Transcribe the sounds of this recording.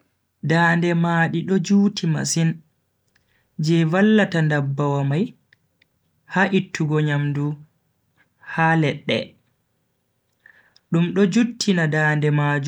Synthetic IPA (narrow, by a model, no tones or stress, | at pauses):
daːndɛmaɗiɗɔd͡ʒuːtʰima̰sin | d͡ʒɛvalːatandabːawamaj | haʔitʰːuɡɔɲamdu | haːlɛɗːɛ̰ | ɗumɗɔd͡ʒutʰːinadaːndɛmaːd͡ʒu